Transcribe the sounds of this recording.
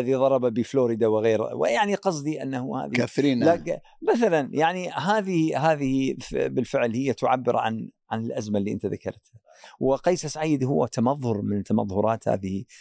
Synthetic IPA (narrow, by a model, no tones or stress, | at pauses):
lðiðˤɑɾˤɑbabifloːɾɪd̪awɪɣeːɾwɪ̰jaʕniqɑsˤd̪iʔa̰nːahuha̰ːðiaθɾiːnlak | maθalanjaʕniɦaːðɪhɦaːðɪhifbɪlfɪʕlhɪjːat̪ʊʕa̰bːɪɾʕa̰nʕanɪlʔazmalːiːʔə̰nt̪aðakɑ̰ɾˤt̪ha | wɪqijːsasʕiːd̪hʊwːat̪amɑðˤhʊɾmɪnt̪ːamɑ̰ðˤhʊɾˤɑːt̪ha̰ːðɪhi